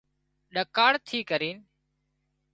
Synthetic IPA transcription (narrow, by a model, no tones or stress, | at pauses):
ɗəkaːɽt̪ʰiːkəɾiːn